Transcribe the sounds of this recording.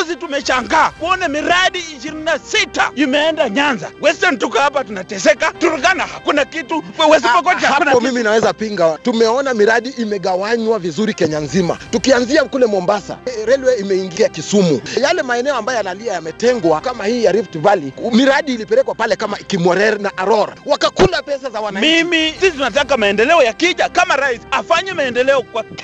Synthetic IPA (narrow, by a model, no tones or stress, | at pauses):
zitumɛʃaŋɡaːkuɔnɛmiɾaɗiiʃiɾinasita̰imɛɛndaɲanza̰wɛsɛn̩tukahapatunatɛsɛkatuɾuɡanahakunakituwɛzipɔkɔt͡ʃahapɔmiminawɛzapiŋɡatumɛɔnamiɾaɗiimɛɠawaɲwavizuɾikɛɲanzima̰tukianziakulɛmɔmbasa̰ɾɛlwɛimɛiŋɡiakisumujalɛmaɛnɛɔambajɔjanaliajamɛtɛŋɡwakamahiːjaɾiftivalimiɾaɗiːlipɛɾɛkwapalɛkamaikimɔɾɛɾnaʔaɾɔɾwakakulapɛsazawanamimisisitunat̬akamaɛndɛlɛɔjakiʄakamaɾaisafaɲɛmaɛndɛlɛɔkwa